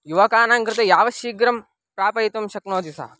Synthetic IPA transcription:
juʋɐkaːnaːŋkɾɪt̪ɐjaːʋɐʃiːɡɾɐm | pɾaːpɐjit̪ɐmʃɐknoːt̪isa̰ː

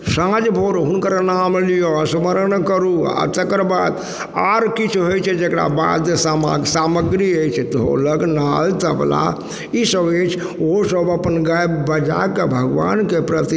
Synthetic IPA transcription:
sãd͡ʒbʱoɾuɦunkəɾanamlijosməɾənkəɾua̰t̪ekəɾbad̪ | aɾkit͡ʃʰɦojt͡ʃʰɛd͡ʒekɽa̰ba̰d̪esamsaməɡɾiət͡ʃʰɛt̪ɔɦo̰ləɡnalt̪əb̰la̰ | isəbet͡ʃʰ | osəbəpənɡajbbəd͡ʒa̰kebʱəɡʋa̰nkepɾət̪i

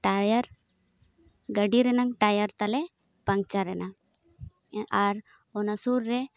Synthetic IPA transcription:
ʈajɐɾ | ɡɐɖiɾenaŋʈajɐɾt̪ɐle | pɐŋɡ̚t͡ʃaɾena | aɾ | onasuɾːe

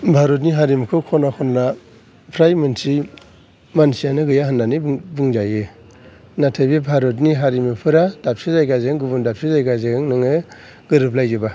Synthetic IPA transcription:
bʱaɾɔt̬̚niɦaɾimkʰɯkʰɔnakʰɔnːa | pʰɾajmɯnsi | mansijanɯɡɯjaɦɯnːanibɯŋzajɯ | natʰabibʱaɾɔt̬niɦaɾimɯpʰɯɾad̥ap̚sizajɡazɯŋɡubɯndap̚sʰizajɡazɯŋnɯŋɯ | ɡɯɾɯp̬lajzɯba

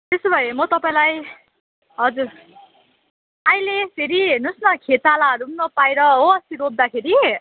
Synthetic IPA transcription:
t̪esobʱʌemʌt̪ʌpaĩlaj | ɦʌd͡zur | ajlepʰeɾinusnʌkʰet̪alaʌɾumnʌpajɾʌɦoʌst̪iɾob̚d̪akʰeɾi

